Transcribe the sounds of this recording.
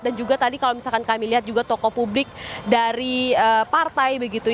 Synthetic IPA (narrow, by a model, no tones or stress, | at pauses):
dand͡ʒuɡat̪adikalowmisalkankamiliɦat̪̚d͡ʒuɡat̪okopublɪk̚daɾiəpart̪ajbəɡit̪u